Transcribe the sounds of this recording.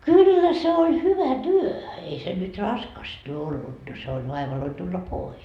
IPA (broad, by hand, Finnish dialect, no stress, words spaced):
kylːæ se olʲ hyʋæ tyø ei se nyt rɑskɑstɑ olːut no se olʲ ʋɑiʋɑloi tulːɑ pois